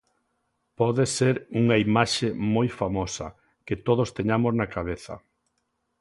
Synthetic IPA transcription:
pɔðeseɾuŋɐimaʃemojfamɔsɐ̰ | kɪt̪oð̞ost̪eɲamoznakaβ̞eθɐ̰

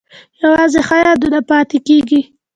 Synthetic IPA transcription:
jawɑzexajɑd̪unapɑt̪ekeɡi

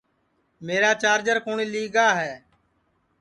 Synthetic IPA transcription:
meːɾaːt͡ʃaːɾd͡ʒəɾkoːɳiːliːɡaːɦɛː

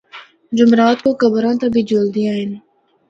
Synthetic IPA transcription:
d͡ʒʊmɾaːt̪̚kokəbɾãːt̪abʱid͡ʒoːld̪iaːɦɪn

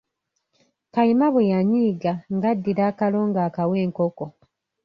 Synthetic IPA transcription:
kajimaβwejaɲiːɡaŋɡadːiɾaːkalo̞ːŋɡaːkawe̞ːŋkoko

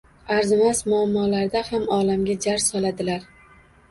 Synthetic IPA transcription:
aɾzɪmasmʊamːɒlaɾd̪ahamɒlamɡʲad͡ʒaɾsɒlad̪ɪlaɾ

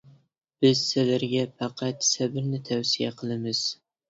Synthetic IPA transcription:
b̥ɪz̥sɪlaɾɡʲɛfɑqʰɑt̪sæbɪɾnɪt̪ʰæwsijaqʰɨlˠɪmɪz̥

